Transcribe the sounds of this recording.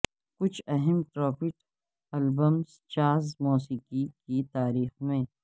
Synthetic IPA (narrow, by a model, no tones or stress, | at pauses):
kʊt͡ʃʰɐɦɛmʈɾɔːfɪʈ | ɐlbəmz | t͡ʃaːzmuːsiːkikit̪aːɾiːxmẽː